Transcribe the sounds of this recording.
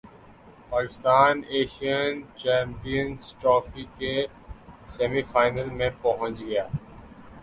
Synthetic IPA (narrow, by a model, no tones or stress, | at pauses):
paːkɪst̪aːneːʃijənt͡ʃɛ̃ːmpijənsʈɾɔːfike | sɛmifaːɪnəlmẽpɐɦə̃nt͡ʃɡɐjaː